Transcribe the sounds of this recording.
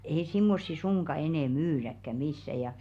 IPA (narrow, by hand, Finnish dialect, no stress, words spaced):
ei simːosːi suŋkɑ enɛ myːrækːæ misːæ jɑ jɑˑ